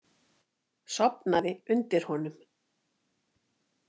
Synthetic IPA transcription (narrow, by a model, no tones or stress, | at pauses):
sɔpnaðɪʏnt̪ɪɾ̥hɔnʏm